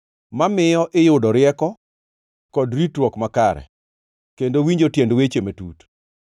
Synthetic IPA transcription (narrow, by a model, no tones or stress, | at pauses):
mamɪjɔʔɪjʊdɔɾɪɛkɔ | kɔdɾitwɔkmakaɾɛ̰ | kendowiɲd͡ʒotjendwet͡ʃemetṵt